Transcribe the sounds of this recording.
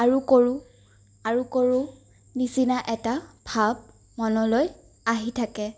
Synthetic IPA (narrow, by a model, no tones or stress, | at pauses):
aɹukoɹu | aɹukoɹʊ | nisinaʔɛtabʱab̚ | mɔnɔloj | aɦitʰakɛ